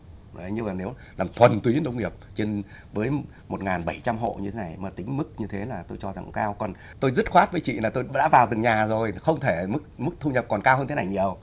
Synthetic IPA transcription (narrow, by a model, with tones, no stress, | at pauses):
ɲɨ˧vaː˨˩ne˨˦w | laː˨˩mt̪ʰwə˨˩nt̪wi˨˦nɗə˧wŋ͡mŋi˨˩əp̚t͡ɕe˧n | vəː˨˦j | mo˨˩t̚ŋaː˨˩nɓə˧˩jt͡ɕa˧mɦo̰˧˨ɲɨ˧t̪ʰe˦na˨˩jmaː˨˩t̪ï˨˦ŋ̟mɨ˦˥k̚ɲɨ˧t̪ʰe˨˦laː˨˩t̪o˧jt͡ɕɔ˧za˨˩ŋkkaː˧wkɔ˨˩n | t̪o˧jzə˦˥t̚xwaː˦˥t̚vəː˨˦jt͡ɕḭ˧˨laː˨˩t̪o˧jɗa̰ː˧˥vaː˨˩wt̪ɨ˨˩ŋɲaː˨˩zo˨˩jxə˧wŋ͡mt̪ʰe˧˩mɨ˦˥k̚mɨ˦˥k̚t̪ʰu˧ɲə˨˩p̚kɔ˨˩nkaː˧whəː˧nt̪e˦na˨˩jɲi˨˩əw